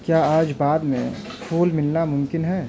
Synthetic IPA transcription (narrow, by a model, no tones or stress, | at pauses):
kjaːaːd͡ʒbaːd̪mḛ̃pʰuːlmɪlnamʊ̃mkɪnɦɛː